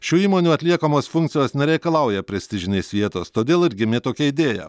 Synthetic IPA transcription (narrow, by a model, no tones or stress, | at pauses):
ʃʲuːiːmoːnʲuːɐt̪ʲlʲiɛkoːmoːsfʊŋʲkt̪sʲɪjoːsnʲɛɾʲɛɪkɐlˠɐˑʊjɛpʲɾʲɛsʲt̪ʲɪʒʲɪnʲeːsʋʲiɛt̪oːst̪oːd̪ʲeːlˠɪɾʲɡʲɪmʲet̪oːkʲɛɪd̪ʲeːjɛ̰